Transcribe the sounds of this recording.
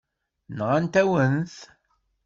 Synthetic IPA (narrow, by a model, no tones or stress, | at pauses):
nʁænt̪æwənθ